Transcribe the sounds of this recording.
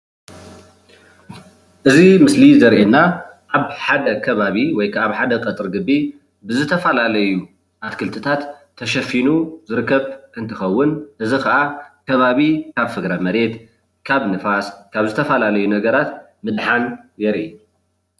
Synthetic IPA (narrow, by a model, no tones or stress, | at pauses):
ʔɨzimɨslizɐɾʔenːaʔaβħad̪ɐkʰɐβaβiwɔjkʰaβħad̪ɐkʼɐt̪ʼɨɾɡɨbːi | bɨzɨt̪ʰɐfɐlalɐju | ʔat̪kʰɨlt̪ʰɨt̪ʰat̪ʰː | ɐʃɐfinuzɨɾɨkːɐβɨnt̪ʰɨxɐwːʊnʔɨzikʰaʔakʰɐβaβikʰaβfɨɡɾamɐɾe̞t̪ | kʰaβnɨfaskʰaβzɨt̪ʰɐfɐlalɐjunɐɡɐɾat̪ | mɨd̪ħanjɛɾʔe